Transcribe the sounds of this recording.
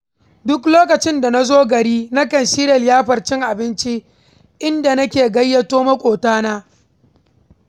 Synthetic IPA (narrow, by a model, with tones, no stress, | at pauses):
dʊ˦kloː˦kɐ˨t͡ʃɪ˦nda˨na˦zoː˦ɡɐ˨ɽiː˦na˦kɐ˨nʃiː˦ɾɐ˨ljaː˦ɸɐ˨rt͡ʃɪ˦ŋʔa˨bɪ˦nt͡ʃi˦ | ʔɪ˦nda˨nɐ˦kʲeː˨ɡɐ˦jːɐ˦toː˦mɐ˦kʷʼoː˨taː˦naː˦